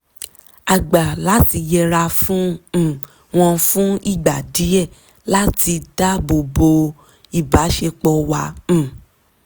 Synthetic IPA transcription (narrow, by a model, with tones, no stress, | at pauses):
a˨ɡ͡ba˨la˨˦ti˧jɛ˧ɾa˧fũ˦˨ | w̃ɔ̃˧fũ˦i˦˨ɡ͡ba˨di˨˦ɛ˦˨ | la˦ti˧da˦bo˨bo˧ | i˦˨ba˨˦ʃe˧k͡pɔ˧wã˧˦˨